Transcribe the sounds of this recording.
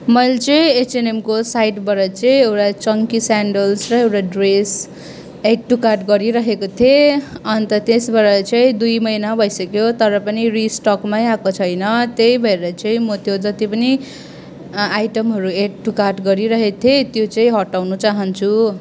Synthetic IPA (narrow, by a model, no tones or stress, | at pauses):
mʌjlt͡sʌĩet͡senemkosajʈbʌɾʌt͡sʌĩewʈat͡sʌŋkisaɳɖʌlsrʌewʈaɖres | ek̚ʈukarʈɡʌɾiɾʌɦekot̪ʰeʌnt̪ʌt̪esbʌɾet͡sʌĩd̪ujmʌjnabʱʌjsʌkjot̪ʌɾʌpʌnirisʈʌkmajakot͡sʰʌjnʌt̪ejbʱʌeɾʌt͡sʌĩmʌt̪jod͡zʌt̪ipʌni | ajʈʌmɦʌɾueʈ̚ʈukarʈɡʌɾiɾʌɦet̪ʰet̪jot͡sʌ̃ĩɦʌʈawnut͡saɦʌnt͡sʰu